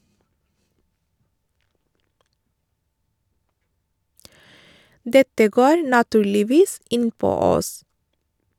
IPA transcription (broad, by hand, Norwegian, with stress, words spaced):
ˈdɛtə ˈɡoːɾ nɑˈtʉːɭɪˌʋiːs ˈɪnˌpoː ˈɔs